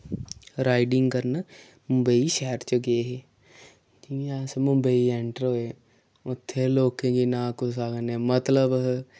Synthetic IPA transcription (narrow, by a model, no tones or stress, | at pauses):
ɾaːiɖɪŋɡkəɾn | mʊmbəiːʃɛːɾt͡ʃəɡeːɦeː | d͡ʒiːɛːsmʊ̃mbəiːeːɳʈəɾoːeː | ʊt̪ʰːeːloːkẽːɡiːnãːkosaːkneːmət̪ləb